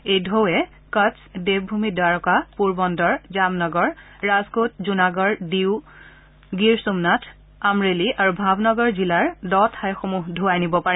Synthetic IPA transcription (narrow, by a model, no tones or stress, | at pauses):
ejdʱowɛ | kasdeb̚bʱumidwaɹɔkapuɹbɔndɔɹzamnɔɡɔɹː | azkot̚zunaɡɔɹdiw | ɡiɹsumnatʰ | amɹeliʔaɹubʱabnɔɡɔɹzilaɹdɔtʰajxomuɦdʱuajnibɔpaɹɛ